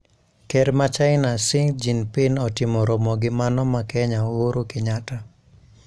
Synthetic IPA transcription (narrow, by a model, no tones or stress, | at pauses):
kɛɾmat͡ʃaɪnasɪŋd͡ʒinpɪnɔtɪmɔɾomɔɡɪmanɔmakɛɲaoɾokɪɲata